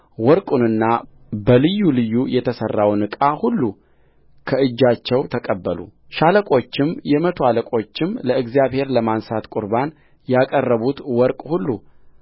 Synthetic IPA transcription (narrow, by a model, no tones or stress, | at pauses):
wɔɾkʼunɨnːa | bəlɨjːulɨjːujɛt̪ʰəsərːawnɨkʼahulːu | kʰəɨd͡ʒːat͡ʃːɛwt̪ʰəkʼəbːəlṵ | ʃaləkʼo̞t͡ʃːɪmjɛmət̪ʰoaləkʼo̞t͡ʃːɪmləɨɡzijaβhe̞ɾləmansat̪kʼuɾban | jakʼərːəβut̪wɔɾkʼhulːu